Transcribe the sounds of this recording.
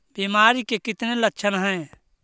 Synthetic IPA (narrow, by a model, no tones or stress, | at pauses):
biːmaːɾikekɪt̪nelətːʃʰənɦə̃ẽ